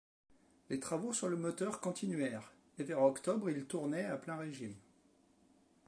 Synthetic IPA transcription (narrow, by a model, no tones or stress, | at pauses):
let̪χavosyʁləmɔt̪œʁkɔ̃t̪ʰinɥɛʁ | evɛʁɔkt̪ɔbʁilt̪uʁnɛaplɛ̃ʁeʒim